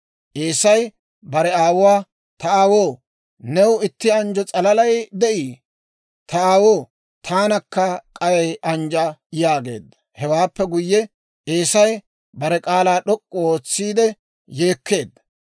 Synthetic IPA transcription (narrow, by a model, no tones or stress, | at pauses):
ʔeːsɐj | bɐɾɛaːwʊwaː | t̪ɐaːwoː | nɛwɪt̪ːɪɐnd͡ʒɔt͡sʼɐlɐlɐjd̪ɛʔiː | t̪ɐaːwoː | t̪ʰaːnɐkːɐkʼɐjɐjʔɐnd͡ʒɐjaːɡe̞̰ːd̪ːɐ̥hɛwaːpːɛɡʊjːɛ | ʔeːsɐj | bɐɾɛkʼaːlaːɗɔkʼːɔoːt͡sːiːd̪ɛ | je̞ːkʰːe̞ːd̪ːɐ